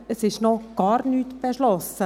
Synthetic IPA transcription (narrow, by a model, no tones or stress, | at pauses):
əsɪʃnɔɡ̥ɑːɾnyːtb̥ɛʃlɔsə